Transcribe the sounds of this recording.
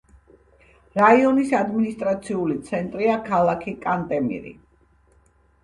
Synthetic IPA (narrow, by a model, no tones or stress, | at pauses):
ɾaiɔnisad̪minist̪ʼɾat̪sʰiulit̪sʰɛnt̪ʼɾiakʰalˠakʰikʼant̪ʼɛmḭɾḭ